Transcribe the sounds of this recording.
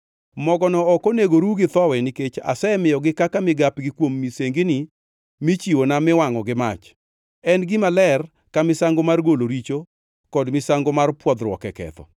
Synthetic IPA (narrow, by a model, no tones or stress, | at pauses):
mɔɡɔnɔːkoneɡoɾuɡɪt̪ɔwɛniket͡ʃa̰sɛmɪjɔɡɪkakamɪɡapɡɪkwomːiseŋɡɪnɪ | mɪt͡ʃiwonamɪwaŋɔɡɪma̰t͡ʃ | ɛnɡɪmalɛr | kamɪsaŋɡomarɡoloɾit͡ʃo | kɔdmɪsaŋɡomarpwɔd̪ɾwɔ̰kɛkɛ̰t̪ɔ̰